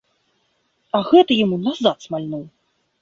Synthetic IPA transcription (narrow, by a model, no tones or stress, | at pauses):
ɐɣɛt̪ɐjamunazat̪smalʲnuw